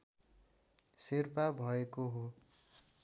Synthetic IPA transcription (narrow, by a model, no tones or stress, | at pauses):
sirpabʱʌekoɦo